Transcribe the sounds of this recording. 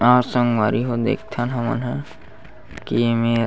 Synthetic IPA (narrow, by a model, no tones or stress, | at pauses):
aːɾsə̃ŋɡwaɾiɦod̪ḛːkʰt̪ʰanɦəmə̰nɦa | kieme